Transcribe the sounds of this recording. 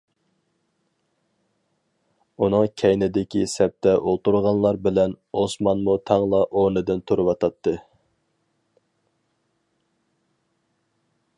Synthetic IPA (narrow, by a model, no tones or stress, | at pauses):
unɨŋkʲʰɛjnɪd̪ɪkʲisɛp̚t̪ʰɛʔolˠt̪uɾʁɑnlˠɑɾbɪlɛnosmɑnmut̪ʰɑŋlˠɑʔoɾnɨd̪ɨnt̪ʰuɾɨwɑt̪ʰɑt̪ʰːɨ